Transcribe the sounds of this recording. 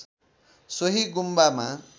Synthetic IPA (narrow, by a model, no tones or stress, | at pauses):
sʌɦiɡumbama